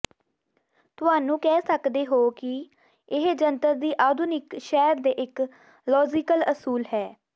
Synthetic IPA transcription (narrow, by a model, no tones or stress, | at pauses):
t̪ʊɦaːnũːkɛːsəkd̪eːɦoːkɪ | ɪɦd͡ʒənt̪əɾd̪iːʔaːd̪ʱʊnɪkʃɛːɾd̪eːʔɪk | lɔːd͡ʒɪkələsuːlɦɛː